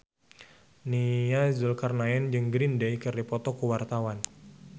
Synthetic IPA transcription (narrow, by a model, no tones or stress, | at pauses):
niazulkarnaɛnd͡ʒɨŋɡɾindɛjkɨrdipɔt̪ɔkuwart̪awan